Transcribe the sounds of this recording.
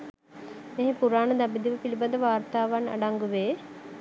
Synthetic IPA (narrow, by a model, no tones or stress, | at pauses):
meɦepuɾaːnəd̪abid̪iʋəpilibad̪əʋaːrt̪aːʋana̰ɖaŋɡuʋeː